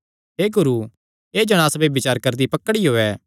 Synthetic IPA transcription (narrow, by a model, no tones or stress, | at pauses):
ɦeːɡʊɾu | eːd͡ʒɐɽ̃aːsbebɪt͡ʃaːɾkɐɾd̪ipɐkːəɽiɦoːɛː